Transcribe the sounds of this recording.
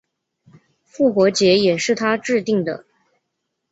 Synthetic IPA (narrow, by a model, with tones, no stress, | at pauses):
fu˥˩xwɔ˧˥t͡ɕjɛ˧˥jɛ˨˩ʂɻ̩˥˩t̪ʰa˥ʈ͡ʂɻ̩˥˧t̪i˥˩ŋd̪ə̰˩